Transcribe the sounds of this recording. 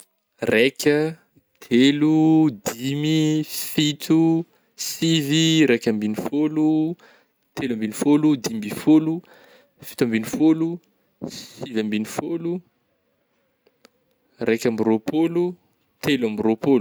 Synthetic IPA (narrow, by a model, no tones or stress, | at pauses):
rekʲə | t̪ʰelud̪imifit̪u | siviɾekʲambinifolu | t̪elambinifolud̪imbifolu | fi̥t̪ambinifolu | ssivambinifolu | rekʲambiropʰolu | t̪ʰelambiropolu̥